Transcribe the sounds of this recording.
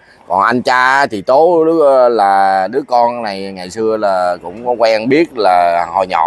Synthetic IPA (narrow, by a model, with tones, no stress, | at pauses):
kɔ˨˩nʔa˧nt͡ɕaː˧˨˦t̪ʰi˨˩t̪o˨˦ɗɨ˨˦laː˨˩ɗɨ˨˦əkɔ˧nna˨˩jŋa˨˩jsɨ˧əlaː˨˩kʊ̰˧˥wŋ͡mkɔ˨˦kwɛː˧nɓi˦˥ət̚laː˨˩hɔ˨˩jɲɔ̰˧˨